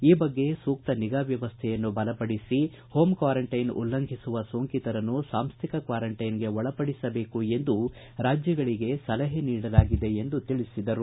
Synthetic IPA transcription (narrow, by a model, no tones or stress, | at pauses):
iːbɐɡːe̞suːk̚t̪ɐniɡaːʋjɐʋɐst̪ʰɛjɐnːubɐlɐpɐɽisi | ho̞ːmkʋaːɾɐɳʈɐjnṵlːɐŋɡʱisuʋɐsoːŋkit̪ɐɾɐnːusaːmst̪ʰikɐkʋaːɾɐɳʈɐjnɡe̞ɔɭɐpɐɽisɐbe̞ːkue̞nd̪u | ɾaːd͡ʒjɐɡɐɭiɡe̞sɐlɐɦeniːɽɐlaːɡid̪e̞end̪ut̪iɭisid̪ɐɾu